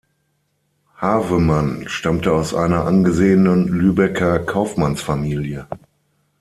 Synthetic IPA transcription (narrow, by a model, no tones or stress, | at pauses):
haːvəmanʃtamtəaʊsʔa̰ɪnɐʔanɡəzeːənənlyːbɛkʰɐkʰaʊfmansfamiːljə